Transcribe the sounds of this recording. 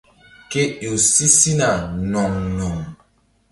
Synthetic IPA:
ke˦jo˨si˦si˦na˨nɔ˨ŋnɔ˨ŋ

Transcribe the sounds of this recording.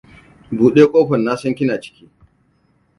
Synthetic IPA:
buː˨ɗeː˦kʷʼoː˦ɸɐ˨nːaː˦sɐ˦ŋkʲɪ˦naː˨t͡ʃɪ̥˦kʲiː˦

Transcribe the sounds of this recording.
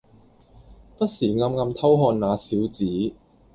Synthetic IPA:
pɐ˥t̚siː˨˩ŋɐ˧mŋɐ˧mt̪ʰɐ˥wɦɔː˧nnaː˨˧siː˨˥wt͡siː˨˦˥

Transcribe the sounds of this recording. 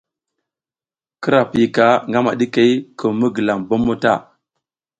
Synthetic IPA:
kə˦ɾa˨pi˨ka˦ŋɡa˦ma˨ɗi˦ke˨i˦kʰə˨mə˦ɡə˨la˨ŋbo˦mːo˦ta˦˨

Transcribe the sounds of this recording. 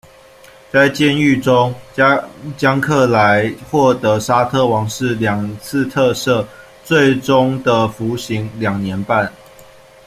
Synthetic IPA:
t͡sa˥˧ɪt͡ɕjɛ˥˧ny˥˨ʈ͡ʂo˦˥ŋ | t͡ɕjɑ˦ŋkʰɤ˥˩la˧˦ɪxwɔ˥˩t̪ɤə˨˦sa˥t̪ʰə˥˩wɑ˨˦˥ŋʂɻ̩˥˩ljɑ˨˩ŋt͡s̩ʰ˥˧t̪ʰɤ˥˧sɤ˥˨ | t͡swe˥˩ɪʈ͡ʂʊ˦˥ŋd̪ə˨fu˨˥ɕi˨˦ŋljɑ˨˩ŋnjɛ˨˧˦npa˥˨n

